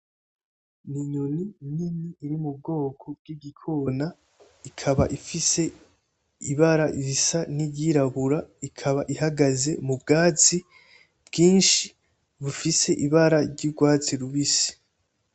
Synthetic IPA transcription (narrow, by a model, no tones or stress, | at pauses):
niɲonininiːɾimub̚ɡo̞ːkʰob̚ɡ̥iɡikʰona | ikʰaβa̰ʔifise̞ | iβaɾaiβisanibɟiɾaβuɾaikʰaβaʔiɦaɡaze̞mubɡaːt͡si | bɡiːnʃi | βufise̞ʔiβaɾaɾɟuɡwaːt͡siɾuβisi̥